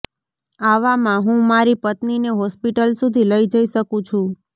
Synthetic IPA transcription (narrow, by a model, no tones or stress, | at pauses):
aʋamãɦũmaɾipət̪nineɦɔspiʈəlsud̪ʱiləid͡ʒəiʃəkũt͡ʃʰũ